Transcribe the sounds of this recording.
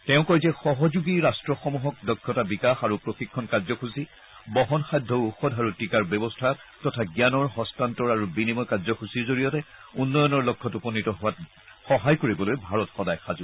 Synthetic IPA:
tɛʊ̃kɔjzɛxɔɦɔzuɡiɹastɹɔxɔmuɦɔk̚dɔkʰːɔtabikaxaɹupɹoxikʰːɔnkazɔkʰusi | bɔɦɔnxajdʱɔuxɔdʱaɹutikaɹbjɔbɔstʰa | tɔtʰaɡjanɔɹɦɔstantɔɹaɹubinimɔjkazɔkʰusiɹzoɹijɔtɛunːɔjɔnɔɹlɔkʰːɔtupɔnːitɔɦʊwat | xɔɦajkoɹibɔlojbʱaɹɔtxɔdajxazu

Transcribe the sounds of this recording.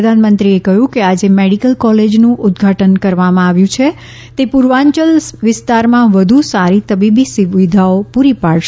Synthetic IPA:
əd̪ʱanmənt̪ɾiekəɦjũkead͡ʒemeɽikəlkɔled͡ʒnũʔʊd̪ɡʱaʈənkəɾʋamãaʋjũt͡ʃʰe | t̪epʊɾʋãɲt͡ʃəlʋɪst̪aɾmãʋəd̪ʱusaɾit̪əbibisuʋid̪ʱaopuɾipaɭʃ

